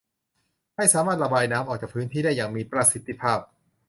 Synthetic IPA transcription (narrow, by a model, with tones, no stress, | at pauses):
ha˥˩jsaː˩˦maː˥˩t̪̚ɾa˧baː˧jnaː˦˥mʔɔː˨˩k̚t͡ɕaː˨˩kpʰɯː˦˥nt̪ʰiː˥˩daː˥˩jaː˨˩ŋmiː˧pɾa˧si˨˦t̪ʰːi˧˩pʰaː˥˩p̚